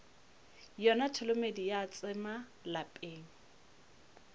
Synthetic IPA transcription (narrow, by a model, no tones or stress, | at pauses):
jɔnatʰʊlomedijat͡sʼɪma | lapʼeːŋ̩